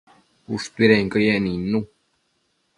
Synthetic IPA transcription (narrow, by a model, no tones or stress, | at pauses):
ust̪wiɾɛŋkəjɛninũ